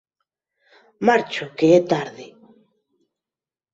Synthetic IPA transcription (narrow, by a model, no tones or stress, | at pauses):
maɾt͡ʃokeet̪aɾðe